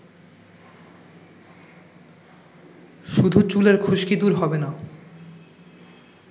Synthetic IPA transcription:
ʃud̪ʱut͡ɕuleɾkʰuʃkid̪uɾɦɔbena

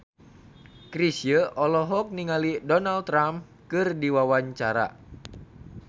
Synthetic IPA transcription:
kɾisjəʔɔlɔɦɔk̚niŋalidɔnalt̪ɾam | kɨrdiwawaɲt͡ʃaɾa̰

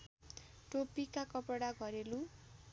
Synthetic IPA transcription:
ʈopikakʌpʌɽaɡʌɾelu

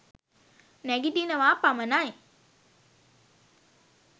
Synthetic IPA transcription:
nɛɡidinəʋaːpamənaj

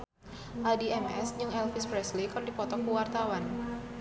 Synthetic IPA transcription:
ʔadiɛmɛ̰sd͡ʒɨŋɛlfispɾɛslikardipɔt̪ɔkuwart̪awan

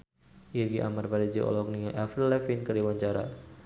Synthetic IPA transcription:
irɡiʔa̰marpaɾid͡ʒiʔɔ̰lɔk̚niʔafɾlɛfinkəriwaɲt͡ʃaɾa̰

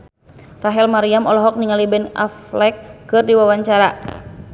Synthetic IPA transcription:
raɦɛlmaɾiamɔlɔɦɔk̚niŋalibɛna̰flɛkːɨrdiwawaɲt͡ʃaɾa

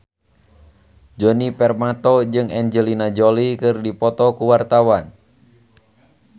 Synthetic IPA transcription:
d͡ʒɔnipɛrmat̪ɔd͡ʒɨŋɛnd͡ʒəlinad͡ʒɔlikɨrdipɔt̪ɔkuwart̪awan

